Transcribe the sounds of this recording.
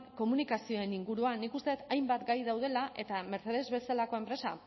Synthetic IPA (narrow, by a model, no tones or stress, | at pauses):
ko̞munikasio̞e̞niŋɡuɾuanikust̪e̞t̪ajmbat̪ɡajð̞awð̞e̞laʔe̞t̪ame̞ɾθe̞ðe̞zβe̞salako̞e̞mpɾe̞sa